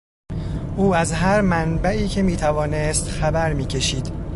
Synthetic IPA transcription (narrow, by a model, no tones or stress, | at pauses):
ʔuːæzɦæɾmænbæiːcʰe̞miːt̪ʰævɒːnest̪xæbæɾmiːcʰe̞ʃiːd̪̥